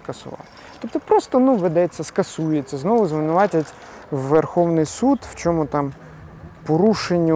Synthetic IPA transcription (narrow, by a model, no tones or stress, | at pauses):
kɐsʊ̰ʋɑ̰l | t̪ɔp̚t̪ɔpɾɔst̪ɔnuʋed̪ɛt͡sʲːɐskɐsujet͡sʲːɐznɔʋʊzʋɪnʊʋɑtʲɐtʲ | ʋːerxɔwnɪjsud̪w̥t͡ʃɔmʊt̪ɑm | pɔɾuʃenʲːɐ